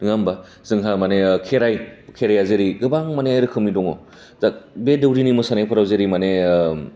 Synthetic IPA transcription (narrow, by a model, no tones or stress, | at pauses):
ɯŋamba | z̥ɯŋɦamanekʰeɾajkʰeɾajazeɾiɡɯbaŋmaneɾɯkʰɯmidɔŋɔ | zak̚bedɯwɾinimɔsanajpʰɯɾawzeɾimane